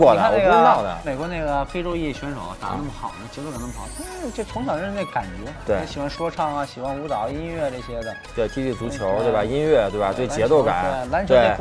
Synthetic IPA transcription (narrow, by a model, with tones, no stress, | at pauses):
wɔ˥˧˩d̪əa˥na˥˩ɡə˥nɑ˧˥˩ʊd̪ə̰˦me˨˩ɪkwɔ˧˥ne˥˩ɪɡə˩fe˥ɪʈ͡ʂo˥ʊji˥˩ɕɥɛ˧˥nʂo˨˧˦ʊ˧t̪a̰˨˩na˥˩mə˩xɑ̰˨˩ʊnə˦t͡ɕjɛ˧˥o˥˧kna˥˩xʰɑ˨˩˦t̪t͡ɕo˥˩t͡sʰʊ˧˥ŋt͡ɕ̪ʰɑ˨˩ŋo˥ne˥˩ə˩ka˨˩nt͡ɕɥɛ˧˥t̪we˥˩ɪ˥˧˩ɕi˨˩xwa˥˩nʂwɔ˥ʈ͡ʂʰɑ˥˩ŋɐ˩ɕi˨˩xwa˥nu˧˥t̪ɑ˨˩˦ʊi˥nɥɛ˥˧ʈ͡ʂɤ˥˩ɕjɛ˥d̪ə˨t̪we˥˧ɪt̪ʰi˥t̪i˥˩t͡su˧˥t͡ɕʰjo˧˥ʊt̪we˥˩ɪba˧˩i˥nɥɛ˥˧t̪we˥˩ba˧˩t̪we˥˩ɪt͡ɕjɛ˧˥t̪o˥˧ʊka̰˨˦ne˥˩la˧˥nt͡ɕʰt̪we˥˩˥